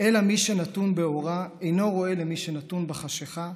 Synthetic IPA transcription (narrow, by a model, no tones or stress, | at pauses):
elamiʃe̞nat̪unbe̞oʁaejno̞ʁo̞e̞le̞miʃenat̪unbeχaʃeχa